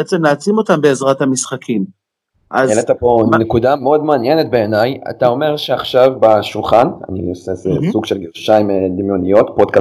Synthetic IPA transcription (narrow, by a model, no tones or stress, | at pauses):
eet͡semnaːt͡simo̞t̪ambe̞ːzʁathamisχakʰim | ʔazɛlet̪aponekudameo̞d̪meanjenet̪̚be̞ːnaja̰t̪ao̞me̞ʁʃeaχʃavbeʃulχana̰nḭosezesuɡʃelɡeʁʃaimed̪imjo̞nijo̞t̪podka